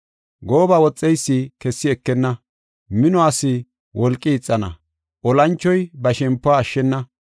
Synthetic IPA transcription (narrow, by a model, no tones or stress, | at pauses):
ɡoːbɐwɔt͡sʼːɛjsːikɛsːɪɛkːɛnːɐ | mɪnɔasɪ | wʔɔlkʼːɪːt͡sʼːɐnɐ̰ | ʔɔlɐnt͡ʃːɔjbɐʃɛmpːɔaːʃːɛnːɐ